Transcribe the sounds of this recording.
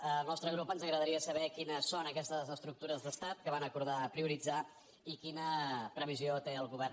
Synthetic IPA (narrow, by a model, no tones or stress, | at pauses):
əlˠnɔst̪ɾəɣɾupənzəɣɾəðəɾiəsəβɛkinəsonəkɛst̪əzəst̪ɾuk̚t̪uɾəzðəst̪at̪̚kəβanəkuɾðapɾiuɾid͡za | ikinəpɾəβ̞iziot̪eəlˠɣuβɛrn